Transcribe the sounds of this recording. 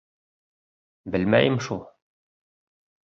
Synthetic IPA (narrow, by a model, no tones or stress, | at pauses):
bɘlmæ̰jɘmʃulˠ